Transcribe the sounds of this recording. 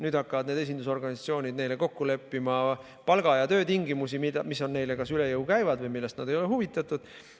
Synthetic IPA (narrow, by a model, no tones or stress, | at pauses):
nyːd̪̥ɑkːɑvɑd̪ne̞d̪e̞s̬ʲind̪̥uso̞rɡ̥ɑnʲisɑt̪sio̞ːnʲid̪̚ne̞jle̞ko̞kːule̞pːimɑ | pɑlɡ̥ɑjɑt̪ø̞ːt̪iŋɡimus̬imi̥ɑmisːo̞nːe̞jlekɑsyle̞jɤwkæjvɑd̪vɤjmilːe̞st̪nɑd̪ejo̞le̞huvit̪ːˑɑt̪ud̪̥